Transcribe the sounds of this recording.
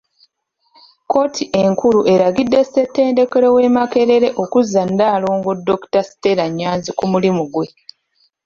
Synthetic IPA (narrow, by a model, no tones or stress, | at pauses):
ko̞ːtʰiʔe̞ŋkuluʔe̞ɾaɡidːestetːe̞ːnde̞ke̞ɾo̞we̞make̞ɾe̞ɾe̞ʔo̞kuzːandaːloːŋɡodːo̞ku̥tasi̥te̞ɾaɲːaːnzikumulimuɡwe̞